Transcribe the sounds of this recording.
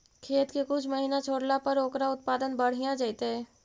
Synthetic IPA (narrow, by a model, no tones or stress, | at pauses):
kʰeːt̪kekʊt͡ʃʰməɦiːnat͡ʃʰoːɽlapɐɾoːkɾaʊt̪̚paːd̪ənbɐɽ̤ijãd͡ʒait̪eɛː